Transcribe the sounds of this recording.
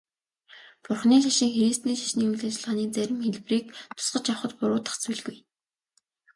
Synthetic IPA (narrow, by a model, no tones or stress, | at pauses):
pʊrχniːʃ̬aʃĭːŋxeɾist̪niːʃḁʃniːujɮaːt͡ɕɪ̆ɮʁaːniːt͡sæɾʲɪ̆mxeɮpriːk̚t̪ʰʊ̥sɢə̆t͡ɕawχə̆t̪pʊɾʊːt̪ə̥̆χt͡suɮɣuj